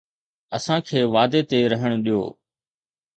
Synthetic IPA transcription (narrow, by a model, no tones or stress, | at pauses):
əsãːkʰeːʋaːd̪eːt̪eːɾəɦəɽ̃ɗijo̰ː